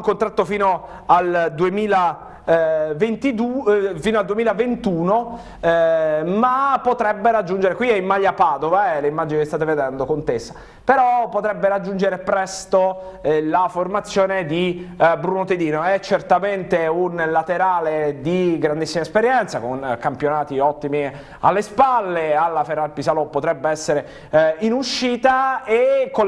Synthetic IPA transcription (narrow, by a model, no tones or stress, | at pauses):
ŋkont̪ɾat̪ːofiːno | ald̪uemiːla | vent̪id̪ufiːnoald̪uemilavent̪uːno | mapːot̪ɾɛbːeɾad͡ʒːund͡ʒeɾekwiɛimːaʎːapaːd̪ovaɛleimːad͡ʒinikest̪aːt̪eved̪ɛnd̪okont̪esːḁ | peɾɔpːot̪ɾɛbːeɾad͡ʒːund͡ʒeɾepɾɛst̪olaformat̪sːjoːned̪ibɾunot̪ed̪iːnoɛt͡ʃːert̪ament̪eunlat̪eɾaːled̪iɡɾand̪isːimaespeɾjɛnt̪sakonkampjonaːt̪iɔt̪ːimi | a̰lːespalːealːaferːalpisalopːot̪ɾɛbːeɛsːeɾe | inuʃːiːt̪aekːo